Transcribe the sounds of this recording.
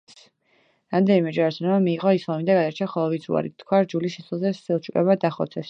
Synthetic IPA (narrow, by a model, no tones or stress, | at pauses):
s | ɾamd̪ɛnimɛd͡ʒaɾsʰnɛmamiːʁɔislˠamid̪aɡad̪aɾt͡ʃʰaχɔlˠɔvid̪zṵa̰ɾḭt̪ʰːkʰwaɾd͡ʒuliʃɛsɛlˠzɛsilˠt͡ʃʰukʼɛ̰bad̪aχɔ̰t̪sʰɛs